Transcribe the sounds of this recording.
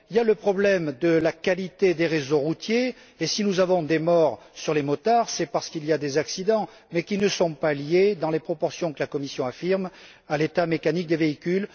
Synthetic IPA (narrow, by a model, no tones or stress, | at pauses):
iljaləpχɔblɛmd̪əlakalit̪ed̪eʁezoʁut̪jeː | sinuzavɔ̃d̪emɔʁ | syʁlemɔt̪aʁsɛpaʁsə̥kiliad̪ezaksid̪ɑ̃ | mɛkʲinəsɔ̃paljed̪ɑ̃lepχɔpɔʁsjɔ̃kəlakɔmisjɔ̃afiʁm | alet̪amekanik̚d̪eveikʲyl